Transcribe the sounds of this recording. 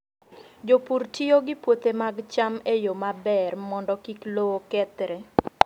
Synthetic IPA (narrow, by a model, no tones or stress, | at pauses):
d͡ʒopurtʰioɡɪpwot̪emaɡt͡ʃamejomabɛrmɔndɔkiklookɛt̪ɾɛ